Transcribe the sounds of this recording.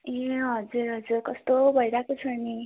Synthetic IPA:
eɦʌd͡zuɾɦʌd͡zurkʌst̪obʱʌjɾakut͡sʰʌni

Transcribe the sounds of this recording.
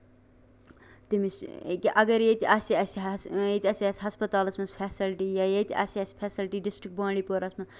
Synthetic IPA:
t̪imiskiʔɐɡɐɾjet̪ʲɐsiɐsjet̪ʲɐsʲɐsʲɦɐspɐt̪aːlɐsmɐnspʰɛːsɪlʈiːjajet̪ʲɐ̰siɐspʰɛːsɪlʈiːɖɪsʈɾɪk̚bãːɳɖiːpoɾɐsmɐ

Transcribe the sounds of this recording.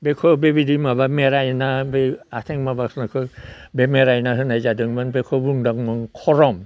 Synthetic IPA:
bekʰɯbebidimabameɾajnabeat̪ʰeŋmabasnakʰɯbemeɾajnaɦɯnajzadɯŋbanbekʰɔbuŋdaŋmɯŋkʰɔɾɔm

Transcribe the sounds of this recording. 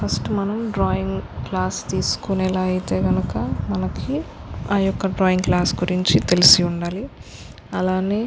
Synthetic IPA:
pʰɐsʈmɐnɐmɖɾaːjiŋɡklaːst̪iːsu̥kunɛːlaːit̪e̞ːɡɐnukɐmɐnɐkʰiaːjɔkːɐɖɾɔːjiŋɡklaːsɡuɾiɲt͡ʃit̪e̞lisiuɳɖaːli | ɐlaːneː

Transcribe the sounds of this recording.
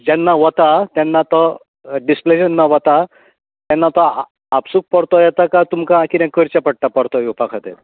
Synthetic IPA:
d͡ʑɛnːaʋɔt̪at̪ɛnːat̪ɔ | ɖispleɕənːaʋɔt̪a | t̪ɛnːat̪ɔ | apsuk̚pɔɽt̪ɔjɛt̪akat̪umkakinãkəɾt͡ɕapəɽʈːapəɽt̪ɔupakʰat̪et̪

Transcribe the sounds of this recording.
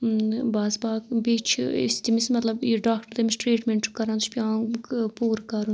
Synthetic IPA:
baːzbaːkbiːt͡ʃʰɪ̰st̪imismɐt̪lɐbiɖaːk̚ʈəɾd̪emɪsʈɾeːʈmeɳʈkɐɾãːnt̪u̥t͡ʃʰpʲjãːpuːɾkɐɾu

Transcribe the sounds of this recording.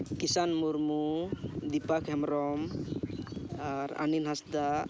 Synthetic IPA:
kisanmuɾmud̪ipakʰɦɛmɾɔm | aɾa̰ninɦasd̪a

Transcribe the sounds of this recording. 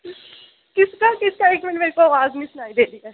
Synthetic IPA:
kɪskakɪskaeːkmẽnmeːɾkoaːʋaːznĩːsʊnaːid̪eːliɛː

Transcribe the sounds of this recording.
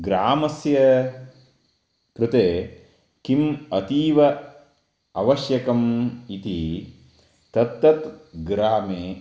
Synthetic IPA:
ɡɾaːmɐsjɐ | kɾut̪eː | kimɐt̪iːʋɐ | ɐʋɐʃjɐkɐmit̪i | t̪ɐt̪ːɐt̪ɡɾaːmeː

